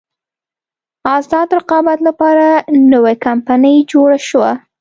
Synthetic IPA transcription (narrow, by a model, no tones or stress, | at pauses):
ɑzɑd̪ɾɪqɑbat̪lapɑɾanəwajkampanəjd͡ʒoɽaʃwa